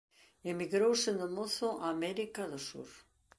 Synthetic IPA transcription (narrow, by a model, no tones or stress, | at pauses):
emiɣɾowsɪnd̪omoθʊʔaːmɛɾikaðosṵɾ